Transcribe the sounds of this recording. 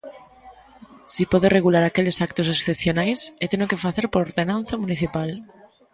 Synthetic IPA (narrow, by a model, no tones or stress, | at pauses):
sipɔðereɣulaɾakelesakt̪osesθepθjonajset̪enokefaθeɾpoɾoɾðenãnθamuniθipal